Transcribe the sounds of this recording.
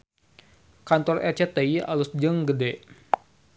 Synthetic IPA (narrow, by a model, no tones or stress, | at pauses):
kant̪ɔrɛ̰t͡ʃɛt̪eja̰lusd͡ʒəŋɡədɛ